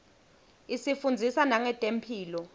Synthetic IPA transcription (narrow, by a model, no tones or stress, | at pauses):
isifund͡zʱisanaŋɛtʼem̩pʰiːlɔ